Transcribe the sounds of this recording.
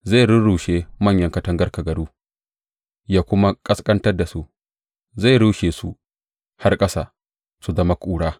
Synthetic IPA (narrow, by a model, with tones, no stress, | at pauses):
za˦˨ɽʊ˦nɽuː˨ʃeː˦mɐ˦˨ɲjɐ˦ŋkɐ˦tɐ˦ŋɡɐ˦rka˨ɡɐ˨duː˦ | jaː˦kʷʊ˦ma˦kʼɐ˦skʼɐ˦ntɐ˦rda˨su˦ʔ | za˦˨ɽuː˦ʃeː˨sṵ˦ | ha˦rkʼɐ˦saː˨ | su˨zɐ˦ma˦kʷʼuː˦ɽaː˦